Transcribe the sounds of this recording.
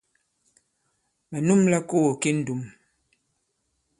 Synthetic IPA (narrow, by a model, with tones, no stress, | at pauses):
mɛ˨nu˦mla˦ko˦o˨ke˦n̩˦du˨m